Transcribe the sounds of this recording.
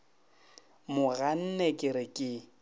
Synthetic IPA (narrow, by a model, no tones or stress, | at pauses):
mʊɣan̩nɛkʼɪɾɪkʼɪ